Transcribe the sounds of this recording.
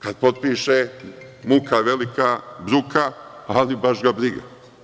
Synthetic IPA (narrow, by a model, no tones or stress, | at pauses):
kad̪̚po̞t̪̚piːʃe | mukaʋelikabɾukʰaalibaʃɡabɾiɡa̰